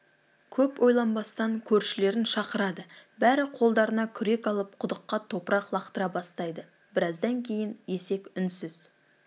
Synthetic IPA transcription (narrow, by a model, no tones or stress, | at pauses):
kʲʰɵpwʔo̞jlˠɑnbɑst̪ɑŋkʲʰɵɾʃɪle̞ɾɪnʃɑqəɾɑd̪əbæɾɪqʰo̞lˠd̪ɑɾənɑkʲʰʏɾe̞kɑlˠəp̚qʰʊd̪əqːɑt̪ʰo̞pəɾɑqlˠɑqt̪əɾɑbɑst̪ɑjd̪ə | bɪɾɑzd̪ɑŋkʲʰe̞jɪnje̞se̞kʲʏnsɪz